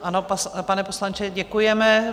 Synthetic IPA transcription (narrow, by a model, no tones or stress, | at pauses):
ʔanopapanɛposlant͡ʃɛɟɛkujɛmɛ